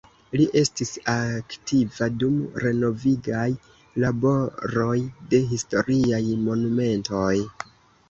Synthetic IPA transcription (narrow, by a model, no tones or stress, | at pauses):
liʔe̞stisaktʰivadumɾe̞no̞viɡaj | labo̞ɾo̞jde̞ɦisto̞ɾiajmo̞nume̞nto̞j